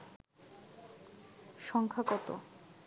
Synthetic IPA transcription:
ʃɔŋkʰakɔt̪o̰

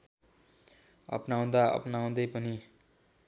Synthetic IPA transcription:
ʌ̰pnaw̃d̪aʌ̰pnaw̃d̪ʌjpʌni

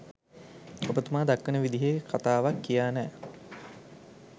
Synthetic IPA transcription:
obət̪umaːd̪akːənəʋid̪iɦekʰat̪aːʋakːijaːnɛː

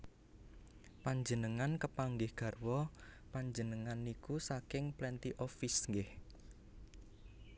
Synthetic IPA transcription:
paɲd͡ʒənəŋankəpaŋɡɪhɡ̥ä̤rwɔ | paɲd͡ʒənəŋanikusakɪŋplɛnt̪iʔɔfisŋɡɪh

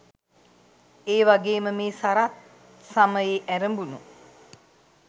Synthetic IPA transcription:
eːʋaɡeːməmeːsaɾat̪̚ | saməjeʔæɾəmbunu

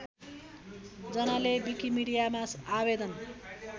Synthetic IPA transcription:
d͡zʌnalebikimiɽijamasabed̪ʌn

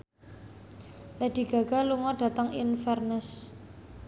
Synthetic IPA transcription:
lɛd̥i̤ɡ̥a̤ɡ̥a̤luŋɔɖ̥a̤t̪aŋḭnfɛrnɛs

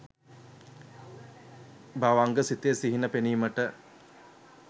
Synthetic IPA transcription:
baʋaŋɡəsit̪ejsiɦinəpeniːməʈə

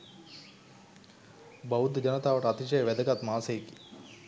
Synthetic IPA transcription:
bɐud̪ʱd͡ʒɐnɐt̪aːʋɐʈɐt̪it͡ʃɐjɐʋɛd̪ʱɐkɐt̪maːsejki

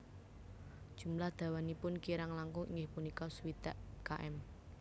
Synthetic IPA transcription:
d̥ʒ̥ṳmlahd̪̥ä̤wanipʊnkiɾaŋlaŋkuḭŋɡɪhpunikɔsuwit̪aʔkaʔɛm

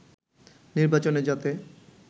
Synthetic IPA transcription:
niɾbat͡ɕoned͡ʑat̪e

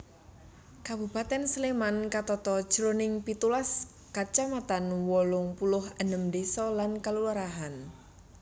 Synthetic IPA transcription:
kabupat̪ɛnsəlemankat̪ɔt̪ɔd̥ʒ̥əɾonɪŋpit̪ulas | kat͡ʃamat̪anwɔlʊŋpulʊhənəmdesɔlankalulaɾaɦan

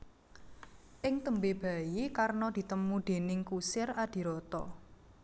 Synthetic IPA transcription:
ʔɪŋt̪əmbeb̥a̤jikarnɔd̪̥i̤t̪əmuɖ̪̥e̤nɪŋkusɪrad̪̥i̤ɾɔt̪ɔ̰

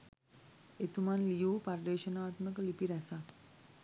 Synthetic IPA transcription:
et̪umanlijuːpaɾd̪eːʃənaːt̪məkəlipiɾɛsa

